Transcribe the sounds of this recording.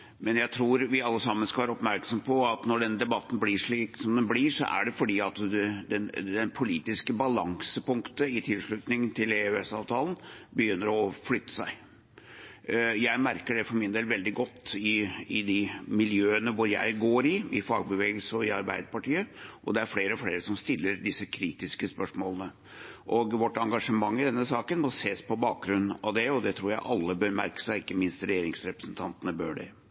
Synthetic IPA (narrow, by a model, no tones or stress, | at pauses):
mɛnjæɪt̪ʰɾuːɾʋɪɑlːəsɑmːənskɑʋɑːɾɔpmæɾksɔmpʰɔɑt̪nɔɖɛnːəd̪ɛbɑt̪ːn̩bliːʂɭiːksɔmd̪ɛnbliːʂɔ̰ʔæ̰ɖɛfɔɖiːɑt̪d̪ɛd̪ɛnd̪ɛnpʰʊliːt̪ɪskəbɑlɑ̰ŋsəpʊŋkt̪əɪt̪ʰɪlʂɭʉt̪nɪŋənt̪ʰɪleøɛsɑːʋt̪ʰɑːlən̩bəjʏnːəɾɔflʏt̪ːə̥sæɪ | jæɪmæɾkəɖɛfɔɾmɪnd̪eːlʋɛld̪ɪɡɔt̪ːɪɪd̪ɪmɪljøːənəʋʊɾjæ̰ɪɡoːɾɪɪfɑːɡ̚bəʋeːɡəlsəɔɪɑɾbæ̰ɪd̪əpɑʈiːəʔɔ̰d̪ɛæɾfɽeːɾəɔfɽeːɾəsɔmst̪ɪlːəɾd̪ɪsːəkʰɾiːt̪ɪskəspœʂmoːlənə | ʔɔɡʋɔʈːɑŋɡɑʂəmɑŋːɪd̪ɛnːəsɑːkənmɔseːspʰɔbɑːk̚ɡɾʉnːɑ̰ʋd̪ɛɔd̪ɛt̪ʰɾuːɾjæɪʔɑlːəbøːɾmæ̰ɾkə̥sæɪɪkːəmɪnst̪ɾɛjeːɾɪŋsɾɛpɾəsnt̪ʰɑnt̪ənəbø̰ːɖɛ̰